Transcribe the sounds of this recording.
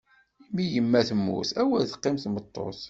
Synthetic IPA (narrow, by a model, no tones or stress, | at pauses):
imijəmːæθəmːṵθæwælθə̥qːɪmθmət̪ˤːo̰θ